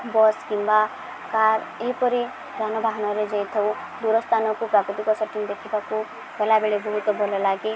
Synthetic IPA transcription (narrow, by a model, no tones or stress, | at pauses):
bɔskimba | kaːɾeipɔɾi | d̪ʱanɔbʱaɦnɔɾed͡ʒejt̪ʰɔu | d̪uɾɔst̪ʰanɔkupɾakɾut̪ikɔsəʈĩŋd̪ekʰibaku | bɛlabeɭebɔɦut̪bɔlɔlaɡi